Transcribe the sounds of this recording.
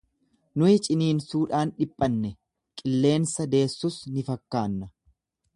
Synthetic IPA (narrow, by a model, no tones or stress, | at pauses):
nʊɪt͡ʃʼɪniːnsuːᶑaːnᶑɪpʼːɐnːɛ | kʼɪlːe̞ːnsɐd̪e̞ːsːʊsnɪfɐkːaːnːɐ